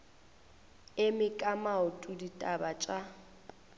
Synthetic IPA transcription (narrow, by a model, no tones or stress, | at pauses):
ɪmɪkʼamaʊtʼuditʼabat͡ʃʼa